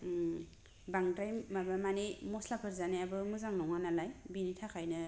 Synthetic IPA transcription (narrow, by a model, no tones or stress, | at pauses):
baŋtajmːabamanemɔslapʰɯɾzaneabɯmɯzaŋnɔŋanalajbinitʰakʰajnɯ